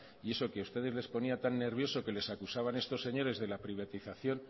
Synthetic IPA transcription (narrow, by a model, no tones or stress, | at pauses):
ie̞so̞keust̪e̞ð̞e̞zle̞spo̞niat̪anːe̞ɾβ̞jo̞so̞ke̞le̞sakusaβ̞ane̞st̪o̞sːe̞ɲo̞ɾe̞zðe̞lapɾiβ̞at̪iθaθjo̞n